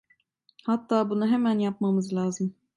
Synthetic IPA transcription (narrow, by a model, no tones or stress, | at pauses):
hɑt̪ːɑːbunɯɦæmænjɑp̚mɑmɯzlˠɑːzɨm